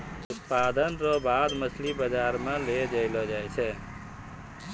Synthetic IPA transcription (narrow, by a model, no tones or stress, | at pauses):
ʊt̪pad̪ənɾɔbad̪mət͡ʃʰlibəd͡ʒaːɾmẽled͡ʒəɪlɔd͡ʒajt͡ʃʰɛ